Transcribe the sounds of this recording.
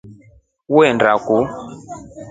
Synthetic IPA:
wɛndaku

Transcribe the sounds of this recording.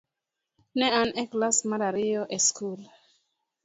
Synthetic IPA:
neaneklasmalaɾioʔeskula

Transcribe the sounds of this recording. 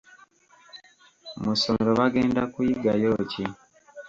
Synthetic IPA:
musomeɾoβaɡe̞ːndakwiːɡajoːci

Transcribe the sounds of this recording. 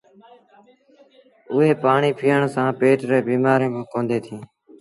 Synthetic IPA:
ʊɦeːpaːɳiːpʰiːəɳsãːpeːʈɾeːbiːmaːɾẽːkõːkõːnd̪eːt̪ʰĩː

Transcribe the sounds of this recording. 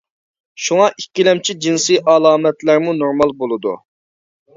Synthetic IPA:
ʃuŋɑʔikʲːilɛmt͡ʃʰid͡ʒinsɨʔɑlˠɑːmɛt̪læɾmunoɾmɑlˠbolˠɨd̪ṵ

